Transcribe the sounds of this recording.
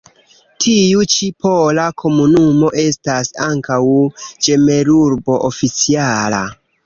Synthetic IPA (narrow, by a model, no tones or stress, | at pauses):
tʰiut͡ʃipo̞lakʰo̞munumo̞ʔe̞stasaŋkawd͡ʒe̞me̞ɾuɾbo̞ʔofit͡siala̰